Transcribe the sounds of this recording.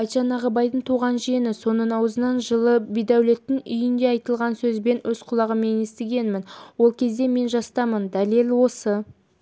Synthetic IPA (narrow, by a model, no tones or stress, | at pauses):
ɑjt̪ʃɑnɑʁəbɑjd̪əɴt̪ʰuʁɑnʒijenɪso̞nəɴɑwəzənɑnʒəlˠəbijd̪æwle̞t̪ːɪŋʏjɪnd̪e̞ɑjt̪əlˠʁɑnsɵzbe̞nʔɵz̥qʰʊlˠɑʁəme̞nest̪eɡʲe̞nmɪnwo̞lˠkʲʰe̞zd̪e̞me̞nʒɑst̪ɑmənd̪ælelʲwo̞sə